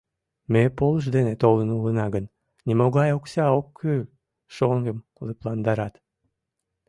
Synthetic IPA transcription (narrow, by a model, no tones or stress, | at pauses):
mepolˠʃ̬d̪enet̪olˠɯnulˠɯnɑɡɯn | nʲimoɡɑjoksʲɑokʰːy | ʃoŋɡɯmqlˠɨplˠɑnd̪ɑɾɑt̪